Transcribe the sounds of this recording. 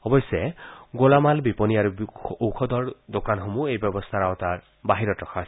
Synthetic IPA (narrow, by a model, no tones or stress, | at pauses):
ɔbɔjseɡolamalbipɔniaɾuowkʰɔd̪ɔɹd̪okanɦomuejbjɔbɔst̪ʰaɾawt̪aɹ | baɦiɾɔtɔkʰas